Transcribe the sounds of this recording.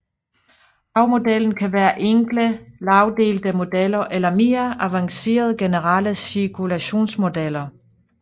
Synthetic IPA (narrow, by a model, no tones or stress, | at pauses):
hɑ̈ʊmo̝d̥eln̩kʰæʋæːɐʔeŋ̰ɡ̥ləlɑ̈ʊd̥e̝̰ːld̥əmo̝d̥elɐʔelɐme̝ːɐʔæʋɑ̈ŋse̝̰ːɐð̞ˠɡ̥e̝nəʁɑləsiɐkʰulæɕo̝̰ːnsmo̝d̥el̰ɐ